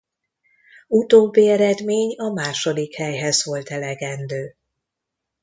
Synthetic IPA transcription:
ut̪oːbːiɛɾɛd̪meːɲɒmaːʃo̞d̪ikhɛjɦɛzvo̞lt̪ɛlɛɡɛnd̪øː

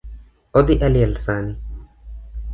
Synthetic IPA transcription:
ʔɔd̪ɪʔɐlɪjɛlsaːnɪ

